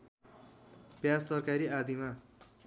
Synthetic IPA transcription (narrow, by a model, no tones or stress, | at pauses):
bjast̪ʌrkaɾiad̪ima